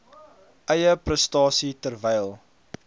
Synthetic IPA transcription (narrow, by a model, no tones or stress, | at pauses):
ʔəjəprəstɑːsitərvɛjlˠ